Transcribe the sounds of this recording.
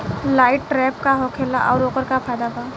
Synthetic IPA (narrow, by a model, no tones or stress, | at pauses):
laːɪʈːɾɛpkaɦokʰelaʔɔʊɾoːkəɾkapʰajd̪aba